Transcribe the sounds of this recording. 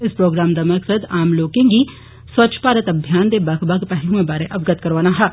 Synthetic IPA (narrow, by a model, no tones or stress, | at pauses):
ɪspɾoːɡɾaːmd̪amɐksəd̪aːmloːkẽɡi | swɐtːʃʰpaːɾət̪ɐbʱjaːnd̪ebɐkʰbɐɡpɛɦlũmẽbaːɾeʔɐʋɡət̪kɐɾʋaːnaɦɛː